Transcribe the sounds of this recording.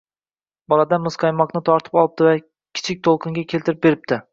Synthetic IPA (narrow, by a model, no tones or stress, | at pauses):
bɒlˠad̪amɨzqʰɑjmɒqnɪt̪ʰɒɾt̪ʰɪ̥pɒlˠɪb̚d̪ɪva | kʲʰɪ̥t͡ʃʰɪk̚ʲt̪ʰolˠqʰɨŋɡʲakʲʰelt̪ʰɪɾɪp̚be̞ɾɪp̚t̪ʰɪ